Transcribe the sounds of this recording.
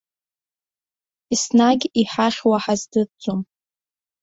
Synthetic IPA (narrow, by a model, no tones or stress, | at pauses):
isnaɡʲiħaχʲwaħazdɨd͡zʼom